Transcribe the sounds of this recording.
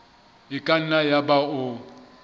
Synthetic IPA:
ɪkʼan̩najabaʊ

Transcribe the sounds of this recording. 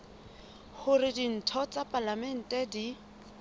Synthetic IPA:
hʊrɪdin̩tʰɔt͡sʼapʼalamɛn̩tʼɛdi

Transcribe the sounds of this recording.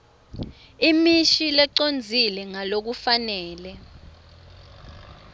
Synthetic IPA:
imiʃilɛǀond͡zʱilɛŋalok̬ufanɛːlɛ

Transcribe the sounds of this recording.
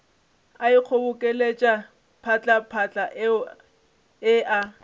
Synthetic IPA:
aiq͡χʰobʊkʼelet͡ʃʼa | pʰat͡ɬʼapʰat͡ɬʼaʔ | ɪa

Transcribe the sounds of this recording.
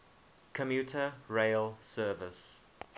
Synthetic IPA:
kʰəmjuˑtʰəɹeɪlsɜːvɪs

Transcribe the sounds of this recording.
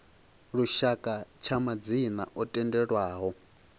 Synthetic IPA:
ɺuʃakʼat͡ʃʰamad͡zina̰ʔɔtʼɛndɛɺwaːɦɔ

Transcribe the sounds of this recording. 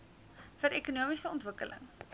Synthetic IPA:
fəɾekunuəmisəɔntvəkə̰lə̰ŋ

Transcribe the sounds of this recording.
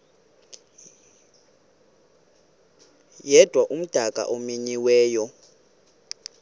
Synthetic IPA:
jɛd̥ʱwaʔum̩d̥ʱakʼa̰ʔomiɲiwɛːjɔ

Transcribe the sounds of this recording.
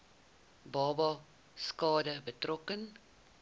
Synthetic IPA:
bɑːbɑ | skɑːdəbətrɔkən

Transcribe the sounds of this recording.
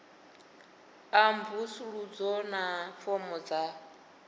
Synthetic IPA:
ambusuɺud͡zɔnafɔmɔd͡za

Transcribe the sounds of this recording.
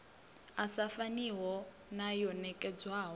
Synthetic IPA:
asafaniwɔ | najɔnɛkʼɛd͡zwaːɦɔ

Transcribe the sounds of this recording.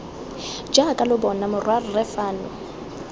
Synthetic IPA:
d͡ʒakʼalʊbɔnamʊrwarrɛfaːnʊ

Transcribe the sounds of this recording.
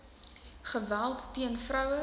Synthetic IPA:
χəvælˠtːiənfrœwə

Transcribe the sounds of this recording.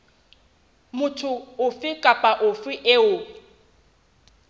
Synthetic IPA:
mʊtʰʊʊfɪkʼapʼaʔʊfɪʔeʊː

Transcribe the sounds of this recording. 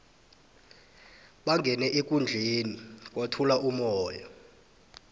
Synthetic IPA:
ɓaŋɡʱɛnɛʔek̬ʼund͡ɮʱenik̬ʼwatʰulaʔumɔːjɔ

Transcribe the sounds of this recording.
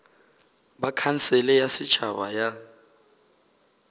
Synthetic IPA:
bakʰan̩sɛlɛjasɪt͡ʃʰaβa̰ja

